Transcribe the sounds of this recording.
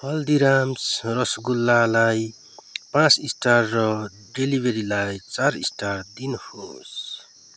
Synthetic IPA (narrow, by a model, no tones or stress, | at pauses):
hʌld̪iɾamsrʌsɡulːalaj | pãt͡sisʈarrʌ | ɖelibʱeɾilajt͡saɾḭsʈard̪inho̰s